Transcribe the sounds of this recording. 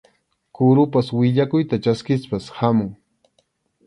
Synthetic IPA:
kʊɾʊpaswɪʎakʊjt̪at͡ʃaskɪspashamʊŋ

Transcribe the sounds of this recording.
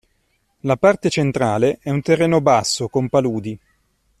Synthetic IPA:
lapart̪et͡ʃent̪ɾaːleʔɛunt̪erːeːnobasːokompaluːd̪i

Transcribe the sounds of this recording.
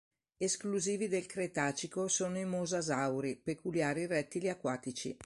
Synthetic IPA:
eskluziːvid̪elkɾet̪aːt͡ʃikosoːnoimozazawɾipekuljaːɾirɛt̪ːiliakwaːt̪it͡ʃḭ

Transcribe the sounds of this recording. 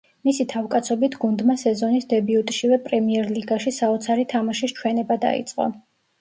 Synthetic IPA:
misit̪ʰavkʼat̪sʰɔbit̪ʰɡund̪masɛzɔnisd̪ɛbiut̪ʼʃivɛpʼɾɛmiɛɾliɡaʃisaɔt̪sʰaɾit̪ʰamaʃist͡ʃʰwɛnɛbad̪a̰ḭt̪sʼqʼɔ̰

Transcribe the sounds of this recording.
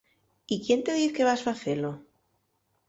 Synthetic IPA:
ikje̞nt̪e̞ð̞iθke̞βasfaθelo

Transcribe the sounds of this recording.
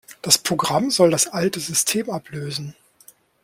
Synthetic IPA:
d̥aspʁ̥oɡʁamzɔldasʔaltəzʏstʰeːmapløːzn̩

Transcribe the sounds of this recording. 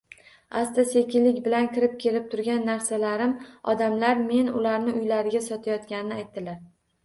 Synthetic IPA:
ast̪asekʲɪlːɪkʲbɪlankʲɪɾɪp̚kʲʰe̞lɪp̚t̪ʰʊɾɡʲanːaɾsalaɾɪmɒd̪amlaɾme̞nʊ̰laɾnɪʔʊjlaɾɪɡʲasɒt̪ʰajɒt̪kʲanɪnɪajt̪̚d̪ːɪlaɾ

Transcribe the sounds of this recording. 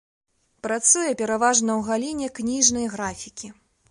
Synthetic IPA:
pɾat̪sujɛpʲɛɾavaʐnɐwɣalʲinʲɛknʲiʐnɐjɣɾafʲikʲi

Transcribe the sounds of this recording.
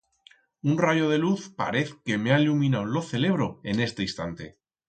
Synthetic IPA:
unraʝo̞ð̞e̞luθpa̰ɾe̞θke̞meailumĩnawlo̞θe̞le̞β̞ɾo̞e̞ne̞st̪e̞ist̪ant̪e̞

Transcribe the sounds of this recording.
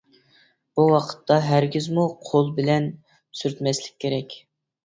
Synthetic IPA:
b̥uwɑqʰə̥t̪ʰːɑɦæɾɡʲizmuqʰolˠbɪlɛn | syɾt̪mɛslɪ̥kʲʰːeɾɛkʲ

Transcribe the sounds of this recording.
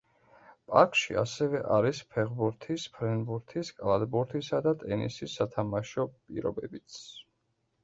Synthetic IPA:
pʼaɾkʼʃḭasɛvɛʔaɾispʰɛʁbuɾt̪ʰispʰɾɛnbuɾt̪ʰiskʼlˠad̪buɾt̪ʰisad̪at̪ʼɛnḭsisːat̪ʰamaʃɔpʼḭɾɔ̰bɛbit̪s

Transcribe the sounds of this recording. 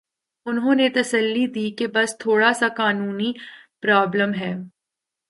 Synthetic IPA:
ʊnɦõːnet̪ɐsəlːid̪iːkebɐst̪ʰoːɽasakaːnuːnipɾaːbləmɦɛː

